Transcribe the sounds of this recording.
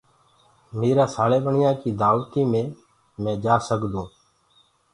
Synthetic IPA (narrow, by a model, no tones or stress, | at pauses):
meːɾaːsaːleːɓəɳɪjãːkiːd̪aːʋt̪iːmẽː | mɛ̃ːd͡ʒaːsəkd̪ũː